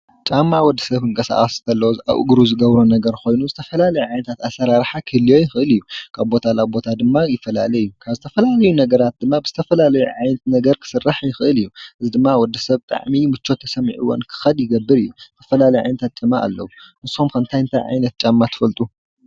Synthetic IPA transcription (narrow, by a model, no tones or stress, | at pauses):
t͡ʃʼamːawɔd̪ːɐsɐβɨŋkʼɐsa̰χʼɐst̪ʰɐlːɐwoza̰ʔɡɾuzɨɡɐβɾonɐɡɐɾko̞jnuzɨt̪ʰɐfɐlalɐjuʕajnɐt̪ʰat̪asɐɾaɾħakʰɨɨlijo̞jɪxɨʔɨlijːukʰaβbo̞t̪ʰalabo̞t̪ʰad̪ɨmːajɪfɐla̰lɐjːukʰaβzɨt̪ʰɐfɐlalɐjunɐɡɐɾat̪̚d̪ɨmːabɨzɨt̪ʰɐfɐlalɐjuʕajnɐt̪nɐɡɐɾkʰɨ̥sɨrːaħjɪxɨʔɨlɨjːuʔɨzid̪ɨmːawɔd̪ːɐsɐβt̪ʼa̰ʕmimɨt͡ʃːo̞t̪ʰːɐ̥sɐm̰ʕṵwɔ̰nkʰɨ̥xɐd̪jɪɡɐbːɨɾɨjːut̪ʰɐfɐlalɐjʕa̰jnɐt̪ʰat̪̚t͡ʃʼɨma̰ʔa̰lːɐ̰wunɨsomkʰɐnt̪ʰajɨnt̪ʰajʕa̰jnɐt̪̚t͡ʃʼamːat̪ʰɨ̥fɐlt̪ʼu